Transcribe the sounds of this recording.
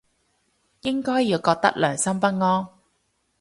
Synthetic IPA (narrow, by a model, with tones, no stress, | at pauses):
jɪ˥ŋkɔː˥jːiː˧wkɔː˧k̚t̪ɐ̰˥k̚lœː˨˩ŋsɐ˥mpɐ˥t̚ŋɔː˥n